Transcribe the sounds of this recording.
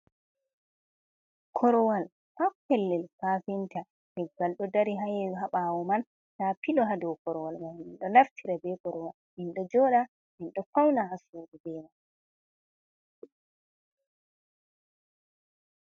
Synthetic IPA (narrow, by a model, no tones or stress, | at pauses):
kʰɔɾɔwal | hakɛlːɛlfaːfinta | nɛɡalɗɔdaɾiɦajɛɦaɓawɔman | tapilɔɦadɔkɔɾɔwalmaninɗɔnaftʰiɾabɛkɔɾɔwalʔinɗɔd͡ʒɔːɗa | minɗɔfawnahasuːɗubɛman